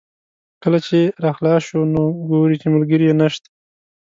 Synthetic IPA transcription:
kəlat͡ʃeɾɑxlɑʃonoɡoɾit͡ʃemalɡəɾijenaʃt̪ḁ

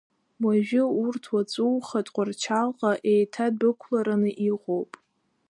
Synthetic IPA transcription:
waʒᶣʊurtʰwat͡sʼuwχatʼqʷʼart͡ʃʰalqʼaʔejtʰad̚bɨkʷʰlaɾanɨʔiqʼowpʼ

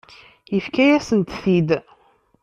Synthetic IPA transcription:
jəfkæjæsənt̪θid̪

